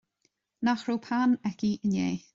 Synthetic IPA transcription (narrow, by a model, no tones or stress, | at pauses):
naxɾupʰanɛkiʔənjḛː